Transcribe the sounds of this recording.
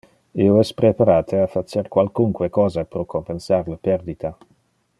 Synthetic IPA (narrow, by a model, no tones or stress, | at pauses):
ioɛspɾepaɾaːt̪eafat͡ʃeɾkwalkuŋkwekɔːzapɾokompensaɾlapɛɾd̪it̪a